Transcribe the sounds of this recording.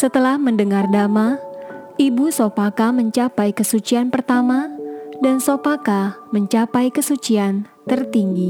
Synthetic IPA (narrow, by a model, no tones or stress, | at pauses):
sət̪əlahməndəŋardama | ibusopakaməɲt͡ʃapajkəsut͡ʃianpərt̪amadansopakaməɲt͡ʃapajkəsut͡ʃiant̪ərt̪iŋɡi